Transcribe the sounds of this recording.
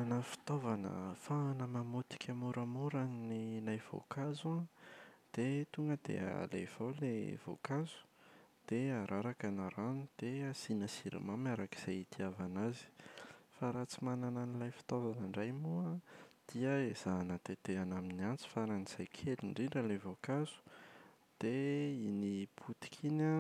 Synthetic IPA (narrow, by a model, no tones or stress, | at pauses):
anafi̥t̪ovanə̰faɦanəmamut̪i̥kʰʲamuɾamuɾanninajv̥o̰kazuad̪̥et̪uŋɡəd̪̥ḛaa̰lḛv̥awlḛv̥o̰kazu̥d̪̥eaɾʔaɾakanaɾanud̪̥easinəsiɾḭmamaɾaki̥z̥ajit̪ʰiavanazi̥faɾat͡simanananilajfi̥t̪ozanaɳɖ͡ʐajmuad̪̥iəez̥anət̪et̪eanaminiant͡si̥faaɾaniz̥ajkʰeliɳɖ͡ʐiɖ͡ʐəlevokazu̥ | d̪̥einiput̪i̥kʰina